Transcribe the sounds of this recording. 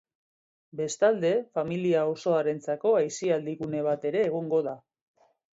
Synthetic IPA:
be̞st̪ald̪e̞familiao̞so̞aɾe̞nt͡sako̞ajsiald̪iɣune̞β̞at̪e̞ɾe̞ːɣ̞oŋɡo̞ða

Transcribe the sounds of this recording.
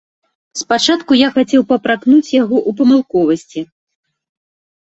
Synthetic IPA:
spat͡ʂat̪kujaxat͡sʲɛwpɐpɾaknut͡sʲjaɣɔʔup̬ɐmɨlˠkɔvɐsʲt͡sʲi

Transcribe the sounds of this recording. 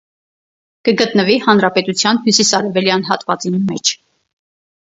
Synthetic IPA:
kəɡət̪nəvihɑnɾɑpɛt̪ut͡sʰjɑnhjusisɑɾɛvɛljɑnɦɑt̪vɑt͡sinmɛt͡ʃʰ

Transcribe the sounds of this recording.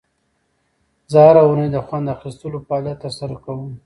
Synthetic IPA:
zəhaɾawunəjd̪əxwand̪axist̪əloplat̪ːəɾsaɾokawəm

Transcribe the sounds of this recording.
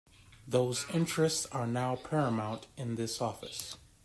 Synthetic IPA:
ðoʊzɪ̃nt͡ʃɹ̥ɨstsə˞naʊpʰɛɹɨmãʊ̃ntɨ̃nðɪsɔfɨ̰s

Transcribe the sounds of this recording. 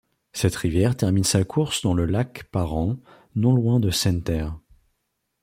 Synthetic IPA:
sɛt̪χivjɛʁt̪ɛʁminsakʰuʁsd̪ɑ̃ləlakpaʁɑ̃ | nɔ̃lwɛ̃d̪əsɛ̃nt̪ɛʁ

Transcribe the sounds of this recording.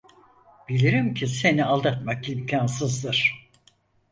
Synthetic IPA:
bilʲiɾimcʰise̞nialˠd̪at̪makimcʰansɯzd̪ɯɾ̥

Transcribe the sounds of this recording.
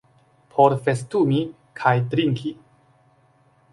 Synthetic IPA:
pʰoɾfestumi | kʰajtɾiŋkʰi

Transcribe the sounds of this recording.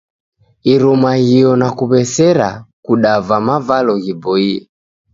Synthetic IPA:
iɾɔmahijɔnakuβɛsɛɾakuɗavamavalɔɣibɔiɛ

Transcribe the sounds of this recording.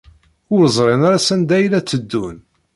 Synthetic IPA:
ʊɾzˤɾˤenaɾasænd̪æjlæt͡sːəd̪ːun

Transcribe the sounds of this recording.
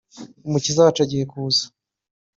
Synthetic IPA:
umucizawat͡ʃaɟihekuzḁ

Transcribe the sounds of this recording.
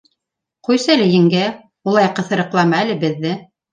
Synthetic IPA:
qujsælɘ̆jɘ̆ŋɡæ | ulˠɑjqɤ̆θɤ̆ɾɤ̆qlˠɑmɑælɘbɘ̆ðːɘ

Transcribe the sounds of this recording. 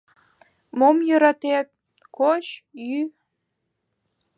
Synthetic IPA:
momjøɾɑt̪et̪̚ | kot͡ɕjy

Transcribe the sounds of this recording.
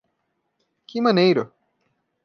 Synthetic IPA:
kʰɪmɐ̃nejɾʊ

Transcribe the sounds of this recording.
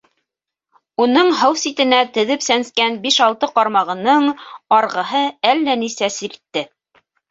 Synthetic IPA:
unɤɴɦɤwsit̪ɘ̆næt̪ɵ̆ðɘpsænskænbiʃɑlˠt̪ɤqɑɾmɑʁɤ̆nɤɴɑɾʁɤ̆ɦɤælːænisæsiɾt̪ːɘ

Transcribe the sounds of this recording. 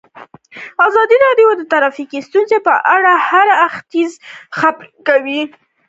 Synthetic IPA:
azɑd̪iɾɑɖjod̪ət̪aɾɑfikist̪unzepəʔaɽahaɾaxt̪izxaplkawi

